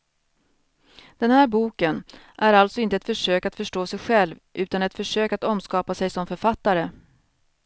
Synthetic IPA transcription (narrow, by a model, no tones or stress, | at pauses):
d̪̥ɛnhæːɾbuːkən | ʔæɾalt̪sɔɪnt̪əɛt̪fœʂøːkat̪fœʂʈoːsɛjɧɛlvʔʉ̟ːt̪anɛt̪fœʂøːkat̪ɔmskɑːpasɛjsɔmfœɾfat̪ːaɾə